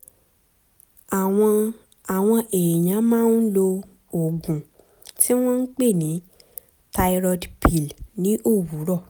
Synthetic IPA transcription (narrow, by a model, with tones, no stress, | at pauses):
a˨w̃ɔ̃˧ | a˨w̃ɔ̃˧ʔe˨e˨j̃ã˨˦mãː˦n˦lo˧ | o˨ɡũ˨ | ti˦w̃ɔ̃˦n̩˦k͡pe˦˨nĩ˨˦ | ta˧i˧ɾɔ˧dpʰi˨lnĩ˦ʔo˦˨wu˨˦ɾɔ˦˨